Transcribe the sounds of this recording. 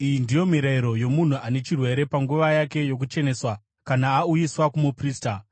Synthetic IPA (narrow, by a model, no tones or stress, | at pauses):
ijindijo̞miɾaiɾo̞jo̞mun̤uane̞t͡ʃirwe̞ɾe̞paŋɡuʋajake̞jo̞k̬ut͡ʃe̞ne̞swa | kanaːujiswakumupriːsta